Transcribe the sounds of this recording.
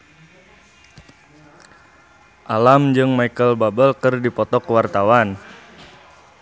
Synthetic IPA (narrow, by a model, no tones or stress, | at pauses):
ʔalamd͡ʒɨŋmaikəlbabəlkərdipɔt̪ɔkəwart̪awan